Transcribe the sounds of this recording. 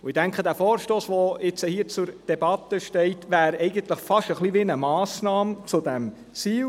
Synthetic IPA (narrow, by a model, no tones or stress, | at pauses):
ʊɪd̥æŋkχədæːfɔːɾʃtoːsʋɔɪt͡səhiːt͡sʊɾd̥ebɑt̪əʃtɛɪtʋæːɾɛɪɡənt̪ləχfɑʃəχliʋɪnəmɑːsnɑːmt͡sʊdæm | t͡siːl